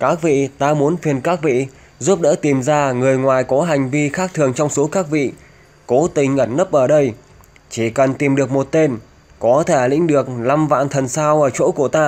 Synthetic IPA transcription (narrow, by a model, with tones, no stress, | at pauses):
kaː˦˥k̚vḭ˧˨t̪aː˧mu˨˦ənfi˨˩ənkaː˦˥k̚vḭ˧˨ | zu˦˥p̚ɗə̰ː˧˥t̪i˨˩mzaː˧ŋɨ˨˩əjŋwaː˨˩jkɔ˨˦ɦa˨˩jŋ̟vi˧xaː˦˥k̚t̪ʰɨ˨˩əŋt͡ɕɔ˧wŋ͡mso˨˦kaː˦˥k̚vḭ˧˨ | ko˨˦t̪ï˨˩ŋ̟ʔəː˧˩nnə˦˥p̚ʔəː˧˩ɗə˧j | t͡ɕi˧˩kə˨˩nt̪i˨˩mɗɨ˨˩ək̚mo˨˩t̚t̪e˧n | kɔ˨˦t̪ʰe˧˩lḭ̈˧˥ŋ̟ɗɨ˨˩ək̚la˧mva̰ː˧˨nt̪ʰə˨˩nsaː˧wʔəː˧˩t͡ɕo̰˧˥ku˧˩ət̪aː˧